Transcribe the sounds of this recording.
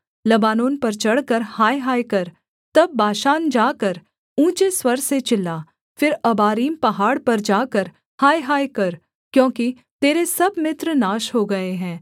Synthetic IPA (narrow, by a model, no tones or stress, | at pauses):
lɐbaːnoːnpɐɾt͡ʃɐɽkəɾhaːjɦaːjkɐɾ | t̪ɐbːaːʃaːnd͡ʒaːkəɾ | ũːt͡ʃeswɐɾset͡ʃɪlːaː | fɪɾɐbaːɾiːmpɐɦaːɽpɐɾd͡ʒaːkəɾ | haːjɦaːjkɐɾ | kjõːki | t̪eːɾesɐbmɪt̪ɾnaːʃɦoɡɐeɦɛ̃ː